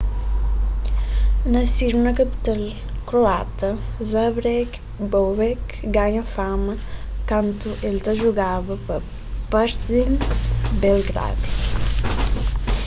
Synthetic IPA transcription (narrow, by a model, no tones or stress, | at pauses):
nɐsiɾnɐkəpi̥t̪əl | kɾoat̪əzabɾɛk | bowbɛk | ɡaɲɐfamɐkant̪uʔelt̪əʒuɡaβɐpə | paɾzilbɛlɡɾa̰d̪u